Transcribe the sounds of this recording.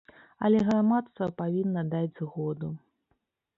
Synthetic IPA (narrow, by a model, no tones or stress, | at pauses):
ɐlʲɛɣɾamat̪st̪vɐpavʲinːɐd̪ad͡zʲɣɔd̪u